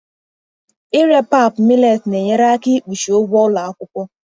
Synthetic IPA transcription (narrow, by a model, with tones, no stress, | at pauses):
ɪ˦ɾe˦pa˦˨pmi˦le˦˨tne˨ɲe˦ɾa˦a˦ki˦k͡pu˨ʃi˨o˦ɡʷɔ˦la˨a˦kʷʊ˦kʷʊ˦